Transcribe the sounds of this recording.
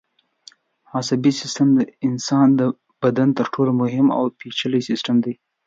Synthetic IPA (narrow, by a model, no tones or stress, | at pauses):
hɑsabisɪsʈəmd̪əɪnsɑnd̪ə | b̥ad̪ant̪əɾʈʰolomʊɦɪma̰wpit͡ʃələjsɪsʈəmd̪aj